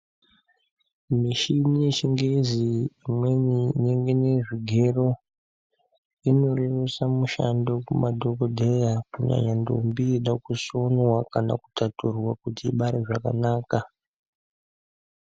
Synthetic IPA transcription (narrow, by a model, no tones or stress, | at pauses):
miʃiniʃiŋɡeziːmwe̞nineŋɡe̞ne̞ʐiɡʱe̞ro̞ | ino̞reresamuʃandokumadʱokodʱejakuɲa̰ɲando̰mbiːɗakuso̞nwakana̰ku̥taturwakutiːɓaɾeʐaka̰naːka